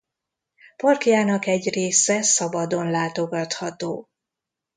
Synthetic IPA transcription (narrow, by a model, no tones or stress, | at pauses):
pɒrkjaːnɒkɛɟreːsɛsɒbɒd̪o̞nlaːt̪o̞ɡɒt̪hɒt̪oː